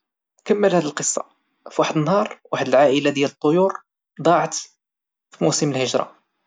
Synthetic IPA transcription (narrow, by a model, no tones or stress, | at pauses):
kəmːəlhæd̪iəlqəsˤːɑ̰ | fwaħəd̪ənːhɑɾˤwaħəd̪əlʕaʔəlad̪jælət̪ˤːojuɾ | d̪ˤɑʕt̪ | fimusəməlhəʒɾˤɑ̰